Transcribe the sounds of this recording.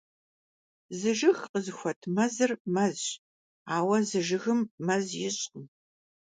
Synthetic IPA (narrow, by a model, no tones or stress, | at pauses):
zɨʒɨxqəzɨxʷɔtʰmɐzɨrmɐz | aːwɐzɨʒɨɣɨmːɐzjɪɕʼqəm